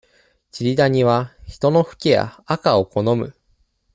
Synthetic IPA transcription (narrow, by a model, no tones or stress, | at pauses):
t͡ɕiɾʲid̪aɲ̟iβ̞açi̥t̪o̞no̞ɸɯ̟̥kʲija̰ːkao̞ko̞no̞mɯ̟